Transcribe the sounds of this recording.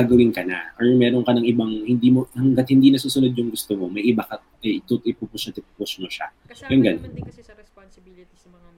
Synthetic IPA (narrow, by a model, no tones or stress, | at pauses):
aɡɐwɪnkɐna̰ʔɔɹmɛːɾoŋkɐnɐŋɪbaŋhɪnd̪iːmohɐŋɡat̪̚hɪnd̪iːnɐsuːsʊnʊd̪̚ɲʊŋɡʊst̪omo̞mɐjʔɪbakɐ | ɐt̪ut̪ɪpupʊsɐt̪ɪpupʊsmoʃa̰ | jʊŋɡɐnon